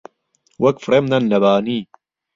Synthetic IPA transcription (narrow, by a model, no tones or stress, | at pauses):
wɐkfɾemnɐnːɐbaːniː